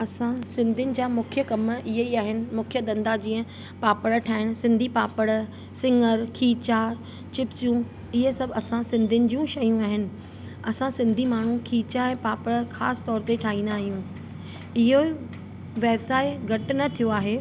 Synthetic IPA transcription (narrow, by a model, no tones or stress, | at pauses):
ɐsãsɪ̃nd̪ʱɪnɪ̆d͡ʑaːmʊkʰijəkɐmɪɦeiaːɦɪnɪ̆mʊkʰijəd̪ɐ̃nd̪ad͡ʑĩːə̃ | paːpəɽʈʰaːɪɽ̃sɪ̃nd̪ʱipaːpəɽ | sɪ̃ŋəɾkʰiːt͡ɕa | t͡ɕɪpsijũ | ɪɦesɐbʱɐsãsɪ̃nd̪ʱʊnɪ̆d͡ʑiːũʃɐjũaːɦɪnɪ̆ | ɐsãsɪ̃nd̪ʱimaːɳ̤ũkʰiːt͡ɕaɛ̃ːpaːpəɽxaːsɪ̥t̪ɔːɾt̪eʈʰaːɦĩːn̆d̪aːɦijũː | ɪɦo | ʋeːbsaːɪɡɐʈɪnɐt̪ʰijoaːɦeː